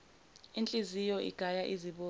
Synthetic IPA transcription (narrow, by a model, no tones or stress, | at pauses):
int͡ɬʼizijɔʔḭɡ̥ʱajaʔiziɓoː